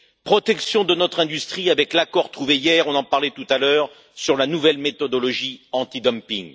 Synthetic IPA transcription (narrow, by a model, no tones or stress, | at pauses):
pχɔt̪ɛksjɔ̃d̪ənɔt̪χɛ̃d̪yst̪χiavɛklakɔʁt̪χuvejɛʁɔ̃nɑ̃paʁlɛt̪ut̪alœːʁ | syʁlanuvɛlmet̪ɔd̪ɔlɔʒiɑ̃t̪id̪ɔmpiŋ